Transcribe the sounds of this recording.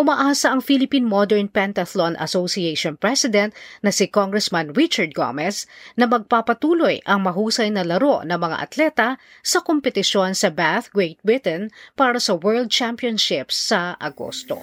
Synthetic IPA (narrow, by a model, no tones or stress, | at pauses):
ʔʊmaʔaːsɐʔɐŋfilɪpinmod̪ɛɹnpɛnt̪ɐθlonʔɐ̰sosiejʃonpɹɛsɪd̪ɛ̃nt̪̚nɐsɪkoŋɡɹɛsmɐnɹɪt͡ʃɐɹd̪̚ɡo̰mɛsnɐmɐɡ̚papɐt̪uːlo̞jʔɐŋmɐɦuːsɐjnɐlɐɾo̞ʔnɐŋmɐŋa̰ʔɐ̰t̪lɛt̪ɐ | sɐkompɛt̪ɪʃo̞nsɐbaθɡɹejt̪̚wɪt̪ɛnpaːɾɐsɐwɛɹld̪̚t͡ʃampjonʃɪpsːɐʔɐɡo̰st̪o̰